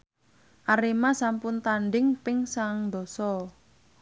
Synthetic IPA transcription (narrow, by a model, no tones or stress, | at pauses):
ʔaɾimasampʊnt̪anɖɪŋpɪŋsaŋd̪ɔsɔ